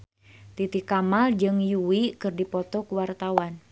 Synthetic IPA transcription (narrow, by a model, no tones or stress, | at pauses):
t̪it̪ikamald͡ʒɨŋjuwikɨrdipɔt̪ɔkuwart̪awan